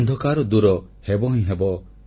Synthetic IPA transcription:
nd̪ʱɔkaɾɔd̪uɾɔ | hebɔɦĩɦebɔ

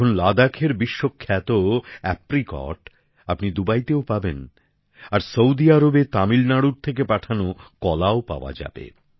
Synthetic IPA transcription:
onlad̪akʰeɾbiʃːokʰːɛt̪oɛpɾikɔ̰ʈ | apnid̪ubajt̪eopaben | aɾsowd̪iaɾobet̪amilnaɽuɾt̪ʰek̬epaʈʰanokɔlaopa̰oa̰d͡ʑa̰bḛ

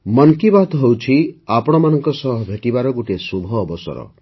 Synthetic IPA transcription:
mɔnkibat̪ɔɦewt͡ʃʰiapɔɽ̃ɔmanɔŋkɔsɔɦɔbʱeʈibaɾɔɡuʈesubʱɔːbɔsɔ̰ɾɔ̰

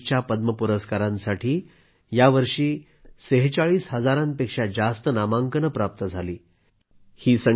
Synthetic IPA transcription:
t͡ɕjapəd̪məpuɾəskaɾãnsaʈʰiː | jaʋəɾʂiː | səɦt͡saɭiːsɦəd͡zaɾãnpekʂad͡zast̪ənamaŋkənəpɾap̚t̪əd͡zʱaliː | hiːsə

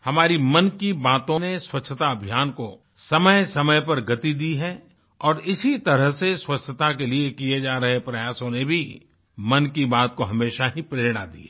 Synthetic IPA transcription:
hɐmaːɾimɐnkibaːt̪õneswɐtːʃʰət̪aɐbʱjaːnko | sɐməjsɐməjpɐɾɡɐt̪id̪iɦɛ | ɔːɾɪsit̪ɐɾəɦseswɐtt͡ʃʃʰət̪akeliekied͡ʒaːɾɐɦepɾɐjaːsõnebʱi | mɐnkibaːt̪̚koɦɐmeːʃaɦipɾeːɾɽ̃ad̪ḭɛ

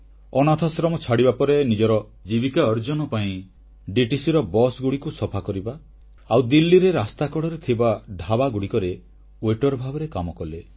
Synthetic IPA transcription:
ɔnat̪ʰasɾɔmɔt͡ʃʰaɽibapɔɾenid͡ʒɔɾɔ | d͡ʒibikaɔɾd͡ʒɔnɔpaĩ | ɖiʈisiɾɔbɔsɡuɽikusɔpʰakɔɾiba | awd̪ilːiɾeɾast̪akɔɽɔɾet̪ʰibaɖʱabaɡuɽikɔɾe | weʈɔɾbʱabɔɾekamɔkɔle

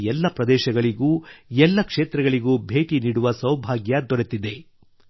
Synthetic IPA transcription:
ɛlːɐpɾɐd̪ɛːʃɐɡɐɭiɡuːɛlːɐkʂeːt̪ɾɐɡɐɭiɡuːbʱeːʈiniːɽuʋɐsɐwbʱaːɡjɐd̪ɔɾet̪ːid̪e̞

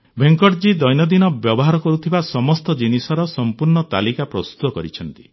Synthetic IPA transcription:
bʱeŋkɔʈd͡ʒid̪ɔjnɔd̪inɔbjɔbɔɦaɾɔkɔɾut̪ʰibasɔmɔst̪ɔd͡ʒinisɔɾɔsɔmpuɾɳɔt̪a̰likapɾɔst̪ut̪ɔkɔɾit͡ʃʰɔnt̪i̥

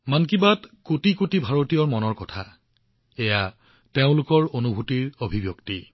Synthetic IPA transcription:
mankibatkotikotibʱaɹotijɔɹmɔnɔɹkɔtʰa | ɛja | teʊ̃lʊkɔɹonubʱutiɹobʱibjokti

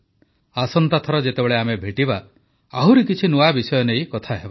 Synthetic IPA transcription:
asɔnt̪at̪ʰɔɾɔd͡ʒet̪ebeɭeamebʱeʈiba | aɦuɾikit͡ʃʰinuabisɔjɔneĩkɔt̪ʰaɦeba

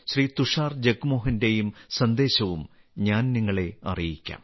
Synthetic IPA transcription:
ɕriːt̪uʂaːrd͡ʑekːumo̞ːɦɐnde̞jumsɐnd̪e̞ːɕɐʋum | ɲaːnniŋːɐɭe̞ɐ̰rijikʲːa̰ːm

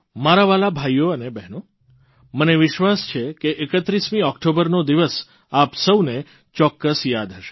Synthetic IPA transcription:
maɾaʋalabʱajːoənebɛɦno | məneʋɪʃʋast͡ʃʰekeʔːkət̪ɾismĩɔkʈobəɾnod̪iʋəs | apsəwne | t͡ʃɔkːəsjad̪ɦəʃe̥

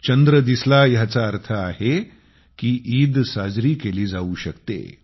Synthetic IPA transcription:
t͡ɕənd̪ɾəd̪islajat͡saəɾt̪ʰəaɦe | kiːʔiːd̪sad͡zɾiːkeliːd͡zauːɕəkt̪ḛ

